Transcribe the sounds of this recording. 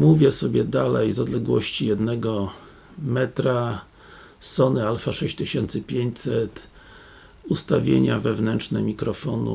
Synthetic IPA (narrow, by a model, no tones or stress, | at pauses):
muvʲjɛsɔbʲjɛd̪alɛjzɔd̪lɛɡwɔɕt͡ɕijɛd̪nɛɡɔ | mɛt̪ɾa | sɔnɘalfaʂɛɕt͡ɕt̪ɘɕɛnt̪sɘpʲjeɲt͡ɕsɛt̪ | ust̪avʲjḛɲavɛvnɛntt͡ʂʂnɛmʲikɾɔfɔnṵ